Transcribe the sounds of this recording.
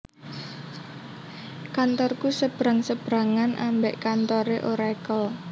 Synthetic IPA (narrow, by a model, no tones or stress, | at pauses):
kant̪ɔrkusəb̥ɾaŋsəb̥ɾaŋanʔa̰mbeʔkant̪ɔɾeʔoɾaaekɔ